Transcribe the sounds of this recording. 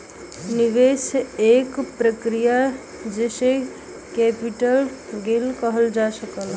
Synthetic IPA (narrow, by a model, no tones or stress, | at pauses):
nɪʋeseːkpɾəkɾija | d͡ʒese | kɛːpiʈəlɡelkəɦəld͡ʒasəkəl